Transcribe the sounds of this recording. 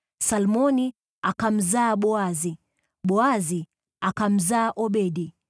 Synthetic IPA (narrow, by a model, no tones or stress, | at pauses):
salmɔni | akam̩zaːɓɔazi | ɓɔazi | akam̩zaːʔɔɓɛɗi